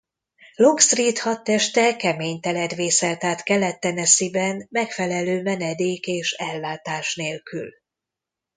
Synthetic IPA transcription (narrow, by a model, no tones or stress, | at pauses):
lokst̪riːt̪hɒt̪ːɛʃt̪ɛkɛmeːɲt̪ɛlɛd̪ʋeːsɛlt̪aːt̪kɛlɛt̪ːɛnɛsibɛnmɛkfɛlɛløːmɛnɛd̪eːkeːʃɛlːaːt̪aːʃneːlky̰l